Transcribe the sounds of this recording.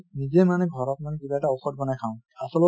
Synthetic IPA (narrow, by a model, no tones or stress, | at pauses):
nizɛmanɛɡʱɔɹɔt̚manɛkibaɛtaoxɔt̚ɡɔnajkʰaʊ̃asɔlɔ